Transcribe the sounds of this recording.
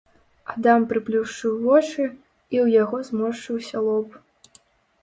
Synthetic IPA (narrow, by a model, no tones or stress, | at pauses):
ad̪ampɾɨplʲuwʂt͡ʂɨwvɔt͡ʂɨ | iwjaɣɔzmɔʂt͡ʂɨwsʲɐlˠɔp